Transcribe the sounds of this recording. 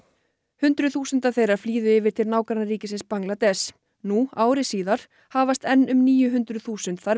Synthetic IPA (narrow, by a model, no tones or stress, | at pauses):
hʏnt̪ɾʏθuːsʏnt̪aθejraɾ̥fliːðʏɪːvɪɾ̥t̪ʰɪlnaːwkaɾnaɾriːcɪsɪnspaŋklat̪ɛs | nuaːwɾɪsiːðaɾ̥ | haːvast̪ɛnːʏmniːjʏɦʏnt̪ɾʏðθuːsʏnt̪θaɾ